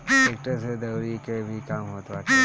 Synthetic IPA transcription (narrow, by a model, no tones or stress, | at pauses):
sek̚ʈəɾsed̪ɐwɾikebʱikamɦoːt̪at͡ʃʰ